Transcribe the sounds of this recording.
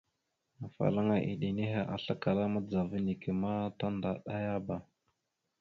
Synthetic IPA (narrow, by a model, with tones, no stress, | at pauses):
a˨fa̰˨la˦ŋa˨ʔḭ˨ɗi˨ni˦ɦe˨ʔa˨ɬa˦ka˨la˦ma˦d͡za˨və˦ni˨ki˨ma˦ta˦nda˨ɗa˦ja˦ba˨